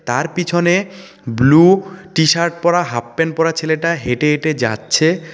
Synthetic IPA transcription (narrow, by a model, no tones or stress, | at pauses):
t̪aɾpit͡ɕʰone | bluʈiʃaɾʈ̚pɔɾaɦapːenpɔɾat͡ɕʰeleʈaɦeʈeeʈed͡ʑa̰tːɕʰe